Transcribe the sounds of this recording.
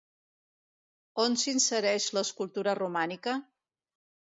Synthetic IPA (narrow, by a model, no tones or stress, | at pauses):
onsinsəɾɛʃləːskulˠt̪uɾərumanikə